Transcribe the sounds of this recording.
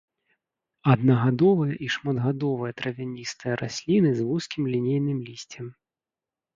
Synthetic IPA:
ɐd̪nɐɣad̪ɔvɐjɐʔiʂmɐd̪ɣad̪ɔvɐjɐt̪ɾɐvʲanʲist̪ɨjɐɾʔasʲlʲinɨzvuskʲimlʲinʲejnɨmlʲisʲt͡sʲɛm

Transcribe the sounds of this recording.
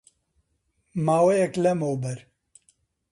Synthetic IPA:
maːwejɛklɛmowbɛɾ

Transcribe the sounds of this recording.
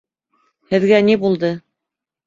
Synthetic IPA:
hɘ̆ðɡænibulˠd̪ɤ

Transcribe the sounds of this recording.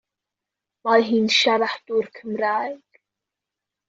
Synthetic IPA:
majɦiːnʃaɾaħd̪̥urkʰəmɾajɡ̥

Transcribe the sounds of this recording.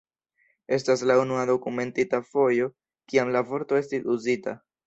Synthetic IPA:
e̞staslaunuado̞kume̞ntitafo̞jo̞ | kiamlavo̞ɾto̞e̞stiuzita̰

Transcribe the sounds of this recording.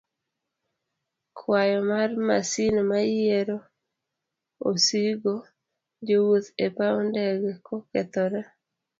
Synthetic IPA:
kʰwajɔmarmasinmajeɾo | osiɡo | d͡ʒowuðepaundɛɡɛkokɛt̪ɔɾɛ

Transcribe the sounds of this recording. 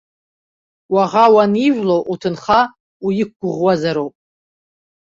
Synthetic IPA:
waʁawaniʒʷlowʔutʰɨnχa | ujɪk̚ɡʷʊʁwazaɾowpʼ

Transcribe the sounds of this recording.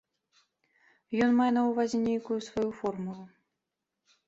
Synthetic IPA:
jɔnmajɛnɐwvazʲɛnʲejkujusvajufɔrmulˠu

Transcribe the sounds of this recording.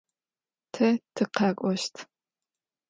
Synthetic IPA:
tʰɐtʰɨqɑːkʷʼɔʃtʰ

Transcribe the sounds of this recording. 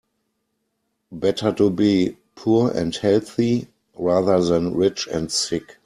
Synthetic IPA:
bɛtʰə˞tubiː | pʰuɛ̰̃nthɛlθi | ɹaðə˞ðɛ̃nɹɪt͡ʃɛ̰̃ntsɪk

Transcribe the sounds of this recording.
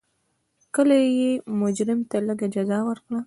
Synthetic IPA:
kəlajemʊd͡ʒɾɪmt̪aləɡad͡ʒazɑwəɾkɽa

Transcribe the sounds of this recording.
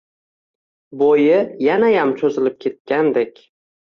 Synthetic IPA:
bojɪjanajamt͡ʃʰɵzɪlɪp̚kʲʰe̞t̪̚kʲand̪ekʲ

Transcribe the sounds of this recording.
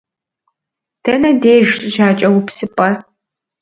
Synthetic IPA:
tʰɐnɐdeːʒɕʼʒaːt͡ʃʼɐwʊpsɨpʼɐ

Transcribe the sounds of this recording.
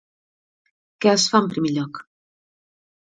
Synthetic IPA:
kɛəsfaəmpɾimeʎɔk

